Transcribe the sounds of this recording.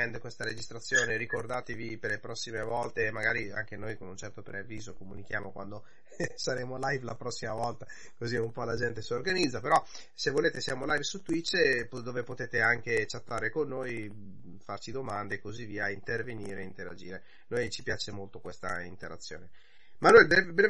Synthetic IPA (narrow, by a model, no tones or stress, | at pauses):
ɛnd̪ekwest̪aɾed͡ʒist̪ɾat̪sːjoːneɾikord̪aːt̪eviperlepɾɔsːimevɔlt̪eːmaɡa̰ːɾia̰ŋk̟enojkonunt͡ʃɛrt̪opɾeavːiːzokomunik̟jaːmokwand̪o | saɾeːmolajvlapɾɔsːimavɔlt̪a | koziumpɔlad͡ʒɛnt̪esiorɡanid̪zːapeɾɔ | sevːoleːt̪esiaːmolajvsut̪ːwit͡ʃːpd̪oːvepot̪eːt̪eaŋket͡ʃat̪ːaːɾekonːoːj | fart͡ʃid̪omand̪eːkozivːiːaint̪erveniːɾeint̪eɾa̰d͡ʒiːɾe | nojt͡ʃipjaːt͡ʃemolt̪okwest̪a̰ḭnt̪eɾa̰t̪sːjo̰ːne | manuɛlbebɾe